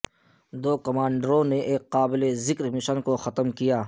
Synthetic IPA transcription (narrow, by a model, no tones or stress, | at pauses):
d̪oːkɐmaːɳɖəɾõneʔeːkːaːbɪlezɪkɾmɪʃənkoxɐt̪mkijaː